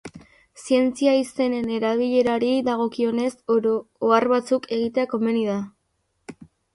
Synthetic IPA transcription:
sie̞nt͡siaise̞ne̞ne̞ɾaβ̞iʎe̞ɾaɾiðaɣ̞o̞kio̞ne̞soarβat͡sukʰe̞ɣ̞it̪e̞ako̞me̞niða

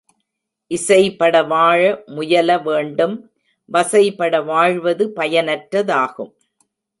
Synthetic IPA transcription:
ʔɪsɐɪpːɐɽɐʋaːɻɐmʊjɐlɐʋeːɳɖɯm | ʋɐsɐɪpɐɽɐʋaːɻʋɐðɯpɐjɐnɐʈɾɐðaːɣɯm

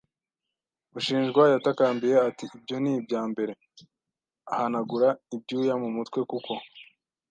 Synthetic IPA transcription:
uʃiːnʒɡwajatakaːmbije̞atiːbjo̞nibɟaːmbe̞ɾe̞ | ahanaɡuɾaib̚ɟuːjamumutkwe̞kuko̞

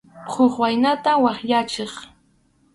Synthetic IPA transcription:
qʰoχwajnat̪awɑχʎat͡ʃeχ

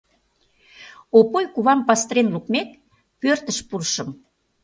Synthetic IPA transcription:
opojkuβɑmpɑst̪ɾenlukmek̚ | pørt̪əʃpurʃə̆m

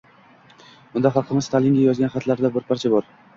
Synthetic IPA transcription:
ʊnd̪aχɑlˠqʰɨmɪzt̪ʰalɪŋɡʲajɒzɡanχɑt̪laɾd̪abɪɾpʰaɾt͡ʃʰabɒɾ

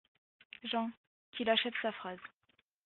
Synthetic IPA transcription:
ʒɑ̃ | kʲilaʃɛvsafχaz

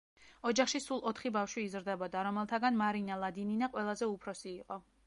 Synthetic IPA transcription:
ɔd͡ʒaχʃisulˠɔt̪ʰχibafʃwiːzɾd̪ɛbɔd̪aɾɔmɛlˠt̪ʰaɡanmaɾinalˠad̪ininaqʼwɛlˠazɛupʰɾɔsiːqʼɔ

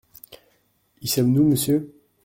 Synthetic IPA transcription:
isɔmnuməsjø

